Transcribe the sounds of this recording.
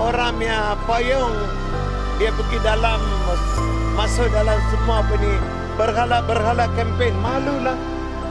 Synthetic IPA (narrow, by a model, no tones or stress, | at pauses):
oɾamja | pojɔŋ | diapəɡidalam | masʊʔdalamsəmuapəni | bərɦalabərɦalakɛmpɛnmalulah